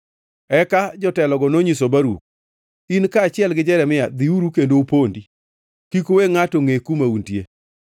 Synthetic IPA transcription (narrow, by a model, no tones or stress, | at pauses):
ɛkad͡ʒɔtɛlɔɡɔnoɲisobaɾṵk̚ | inkaːt͡ʃɪɛlɡɪd͡ʒɛɾɛmɪjad̪iuɾukendoupondi | kikoweŋatoŋekumauntje